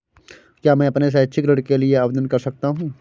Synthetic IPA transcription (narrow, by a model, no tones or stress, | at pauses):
kjaːmɛ̃ːɐpnes̬eʃʰikɾəɽkelieɐbd̪ənkɐɾsɐk̚t̪aɦũː